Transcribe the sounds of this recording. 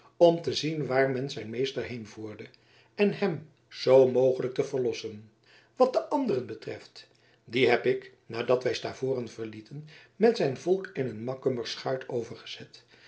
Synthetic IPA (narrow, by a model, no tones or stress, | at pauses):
ɔmtəzinʋaːɹmɛnzɛjnmejstəɹɦejnvuːɹdə | ɛnɦɛm | z̥owmowχələk̚təvəɹlɔsən | ʋɑt̚dəʔɑndərənbətrɛft | diɦɛpɪk | naːdɑtʋɛjstaːvʊːrənv̥əɹlitənmɛtsɛjnvɔlˠkɪnənmɑkøməɹsχœɥtʰowvəɹχə̥z̥ɛt